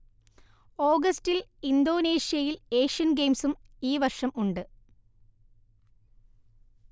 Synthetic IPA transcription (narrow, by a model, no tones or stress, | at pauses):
o̞ːɡɐstilind̪o̞ːneːɕijɐjile̞ːʂijɐnɡejmsum | iːʋɐrʂɐmuɳɖɨ